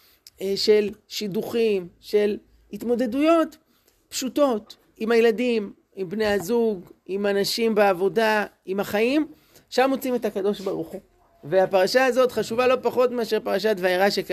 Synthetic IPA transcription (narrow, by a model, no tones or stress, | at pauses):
ʃe̞lʃiduχimʃe̞l | hitmo̞d̪e̞dujo̞t | pʃuto̞t | imhajeladim | imbne̞jazuɡimanaʃimbeavo̞da | imaχaim | ʃamot͡sime̞thakado̞ʃbaʁuχu | veapaʁaʃaazo̞tχaʃuvalo̞paχo̞tmeaʃeʁpaʁaʃ̬atvaiʁaʃek